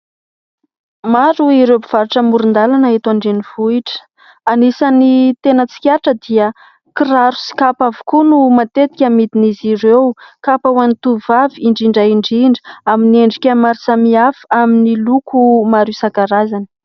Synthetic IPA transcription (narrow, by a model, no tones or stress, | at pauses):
maɾuiɾewbiv̥aɾiʈ͡ʂəmuɾund̪alanaɦet̪waɳɖ͡ʐeniv̥uiʈ͡ʂə̥ | anisanit̪enət͡si̥kʲaʈ͡ʂəd̪iə | kiraɾu̥si̥kapavu̥kunumat̪et̪i̥kʲamid̪iniziɾewkapawanit̪uvaviiɳɖ͡ʐiɳɖ͡ʐaiɳɖ͡ʐiɳɖ͡ʐə̥amineɳɖ͡ʐikʲəmaɾisamiafaaminilukʰumaɾisaɡaɾazanə̥